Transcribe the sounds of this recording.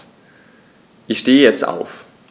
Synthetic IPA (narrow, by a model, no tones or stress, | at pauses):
ʔɪçʃteːəjɛt͡sta̰ʊf